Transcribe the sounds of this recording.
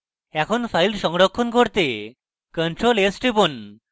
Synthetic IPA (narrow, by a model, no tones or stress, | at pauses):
ɛkʰonpʰajlʈʃɔŋɽokʰːonkoɾt̪e | kəɳʈɾolesʈibon